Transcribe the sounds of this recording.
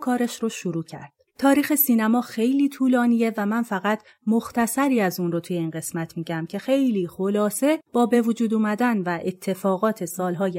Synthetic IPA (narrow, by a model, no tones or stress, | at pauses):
kʰɒːɾeʃɾoʃuɾuːcʰæ̰ɾd̥t̪ʰɒːɾiːxe̞siːnæmɒːxe̞jliːt̪ʰuːlɒːniːje̞væmænfæɣæt̪ʰ | moxt̪ʰæsæɾiːæzunrot̪ʰuje̞iːnɢe̞smæt̪ʰmiːɟæmcʰe̞xe̞jliːxolɒːse̞b̥ɒːbe̞vod͡ʒuːd̪uːmæd̪ænvæʔet̪ʰːe̞fɒːɣɒːt̪ʰe̞sɒːlɦɒːj